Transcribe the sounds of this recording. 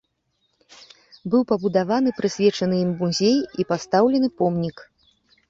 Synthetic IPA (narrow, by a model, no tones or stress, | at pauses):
bɨwpɐbud̪avanɨpɾɨsʲvʲɛt͡ʂɐnɨjimːuzʲejipast̪awlʲɛnɨpɔmnʲik